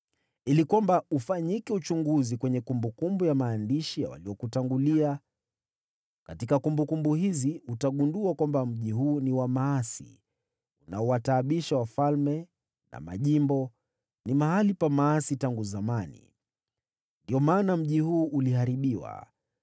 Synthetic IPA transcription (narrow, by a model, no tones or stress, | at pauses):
ilikwambaufaɲikɛut͡ʃuŋɡuzikwɛɲɛkumbukumbujamaːndiʃija̰wa̰liɔkutaŋɡulia | katikakumbukumbuɦiziutaɠunduakwambam̩ʄiɦuːniwamaːsḭ | unaɔwataːɓiʃawafalmɛ | na̰ma̰ʄimbɔ | nimahalipamaasitaŋɡuzamanḭ | ndiɔmaːnam̩ʄihuːʔulihaɾiɓiwa̰